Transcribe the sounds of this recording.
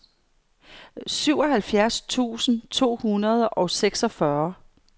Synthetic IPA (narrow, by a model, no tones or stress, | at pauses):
syʊ̰ɒ̽ɦælfjæɐst͡sʰṵːsn̩t͡sʰo̝̰ːhunɐð̞ˠɒ̽seɡ̥sɒ̽fɶɐ